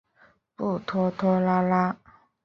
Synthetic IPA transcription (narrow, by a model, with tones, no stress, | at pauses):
pu˥˨t̪ʰɔ˦˥t̪ʰɔ˦la˦la˦